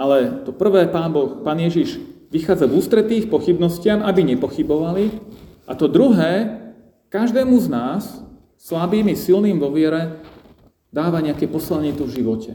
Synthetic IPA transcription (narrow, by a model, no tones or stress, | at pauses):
alɛt̪ɔpr̩ʋɛːpaːnbɔxpaːnɪjɛʒiʒʋixaːd͡zavuːst̪ɾɛt̪iːxpɔxibnɔscɪamabiɲɛpɔxibɔʋali | ʔat̪ɔd̪ɾuɦɛː | kaʒd̪ɛːmuznaːsː | labiːmisilniːmʋɔʋɪɛɾɛ | d̪aːʋaɲɛakɛpɔslɛɲit̪uvʒiʋɔcɛ